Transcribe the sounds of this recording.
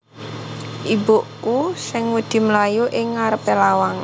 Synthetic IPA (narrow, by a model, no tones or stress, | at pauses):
ʔiboʔkusɪŋmud̪̥i̤məlajuʔɪŋːaɾəpelawaŋ